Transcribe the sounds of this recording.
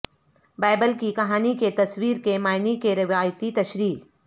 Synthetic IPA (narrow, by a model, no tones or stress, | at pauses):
baːbəlkikɐɦaːniket̪ɐswiːɾkemaːɪnikeɾɪʋaːjt̪it̪ɐʃɾiː